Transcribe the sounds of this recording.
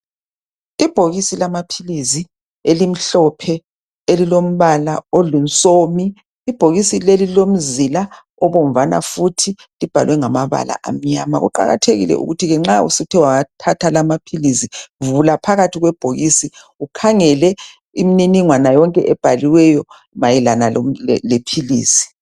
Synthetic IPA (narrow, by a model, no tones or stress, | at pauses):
ib̥ʱoɣisilamapʰilizi | elim̩ɬɔpʰɛ | elilom̩βalaolint͡sʼomiː | b̥ʱoɣisilelilom̩zila | ɔβɔm̩vana̰futʰi | lib̥ʱalwɛŋamaβa̰la̰ʔa̰m̩ɲama̰ɣṵǃa̰ɣa̰tʰeɣḭlɛ̰ʔṵɣutʰiɣɛŋ͡ǁaṵsitʰɛwaatʰatʰalamapʰilisivulapʰaɣatʰiɣwɛb̥ʱoɣisi | ukʰaŋɛlɛ | imininiŋwanajɔŋkʼɛʔɛb̥ʱaliwɛjɔ | majilanallepʰilḭːsi̥